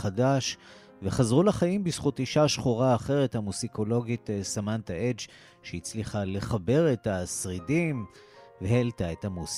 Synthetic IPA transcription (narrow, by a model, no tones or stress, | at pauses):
χadaʃ | veχazʁulaχajimbisχutiʃaʃχuʁaːχe̞ʁe̞thamuziko̞lo̞ɡitsamantaed͡ʒ | ʃeit͡sliχale̞χabe̞ʁetasʁidim | veheltaethamus